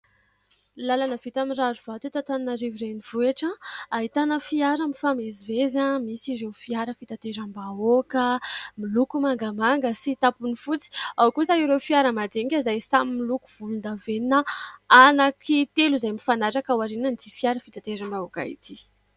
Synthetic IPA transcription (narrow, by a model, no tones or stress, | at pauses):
lalanəvit̪amirazuv̥at̪et̪at̪aninaɾiviɾeniv̥uaʈ͡ʂəaɦit̪anəfiaɾəmifamezivezamisiɾewfiaɾəfit̪at̪eɾambaokəmilukumaŋɡamaŋɡəsit̪apunifut͡si̥awkusaiɾewfiaɾəmad̪eŋkʲazajsamimilukuv̥ulund̪aveninəanakʰit̪eluzajmifanaɾakawaɾinand̪ifiaɾəfit̪at̪eɾambaoka̰ḭt̪i